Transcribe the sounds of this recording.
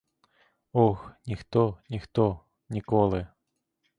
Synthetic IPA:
ɔxnʲixt̪ɔnʲixt̪ɔ | nʲikɔlˠɪ

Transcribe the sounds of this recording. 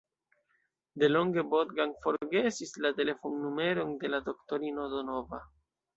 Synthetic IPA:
de̞lo̞ŋɡe̞botɡaŋfo̞ɾɡe̞sislate̞le̞fonːume̞ɾonde̞lado̞kto̞ɾino̞do̞nova

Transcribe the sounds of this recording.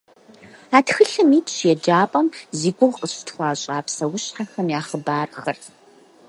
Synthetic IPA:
aːtxɨɬɨmiːtʰɕjɛd͡ʒaːpʼɐmziːɡʷʊʁqəɕtʰxʷɑːɕʼaːpsɐwʊɕħaxɐmjaːχəbaːrxɐr

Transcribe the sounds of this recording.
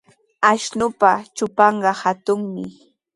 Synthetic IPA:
aʃnʊpat͡ʃʊpɑɴɢɑhat̪ʊŋmɪ̰

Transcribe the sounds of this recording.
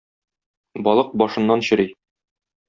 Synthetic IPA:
bɒlˠɤq̚bɒʃɤ̆nːɑnɕɘ̆ɾi

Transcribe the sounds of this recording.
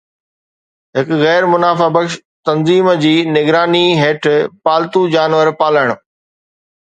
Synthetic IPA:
ɦɪkɣɛːɾmʊnaːfabɐkʃ | t̪ɐnziːmd͡ʑiːnɪɡɾaːniɦeːʈʰpaːlt̪ud͡ʑaːnʋəɾpaːləɽ̃

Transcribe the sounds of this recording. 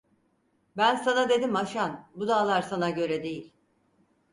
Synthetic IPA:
bænsanad̪e̞d̪imaʃanbud̪aːlˠaɾsanaɟø̞ɾɛd̪e̞jilʲ

